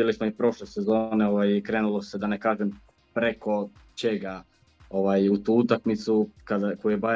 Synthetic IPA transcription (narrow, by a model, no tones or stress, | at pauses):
ilismoipɾo̞ʃlese̞zo̞ːneo̞ʋajikɾe̞ːnulˠose̞d̪anekaːʒem | pɾe̞ko̞ | t͡ʃe̞ɡa | o̞ʋaːjut̪uut̪akmit̪sukad̪akojujeba